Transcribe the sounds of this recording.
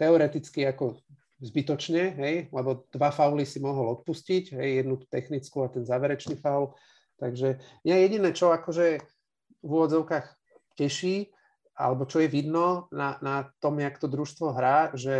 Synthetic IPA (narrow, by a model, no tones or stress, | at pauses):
t̪ɛɔɾɛt̪it͡skiakɔ | zbit̪ɔt͡ʃɲɛɦɛjlɛbɔd̪̥ʋafaʊlisimɔɦɔlɔt̪̚puscicɦɛjjɛd̪nut̪u̥t̪ɛxnit͡skuat̪ɛnzaːʋɛɾɛt͡ʃnifawl | t̪aɡʒɛmɲaɛjɛɟinɛːt͡ʃɔakɔʒɛ | vuʋɔd͡zɔʊkaːx | cɛʃiː | a̰lɛbɔt͡ʃɔjɛʋid̪nɔnanat̪ɔmjakt̪ɔd̪ɾuʃst̪ʋɔɦɾaːʒɛ